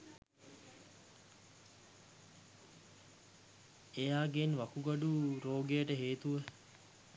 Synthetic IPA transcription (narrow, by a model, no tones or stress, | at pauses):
ejaːɡenʋɐkuɡɐɖuɾoːɡejəʈəɦeːt̪uʋə